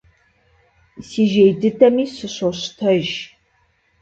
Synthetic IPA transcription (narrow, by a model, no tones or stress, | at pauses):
siːʒejdɨtʰɐmiːsɨɕoɕtʰɐʒ